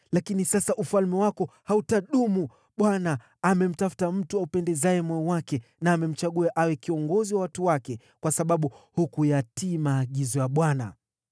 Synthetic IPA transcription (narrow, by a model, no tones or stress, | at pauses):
lakinisasaʔufalmɛwakɔhautaɗumu | ɓwanaː | mɛm̩tafu̥tam̩tuaupɛndɛzajɛmɔɔwakɛnaːmɛm̩t͡ʃaɠuaʔawɛkiɔŋɡɔziwawatuwakɛ | kwasaɓaɓuhukujatimaːɠizɔjaɓwana̰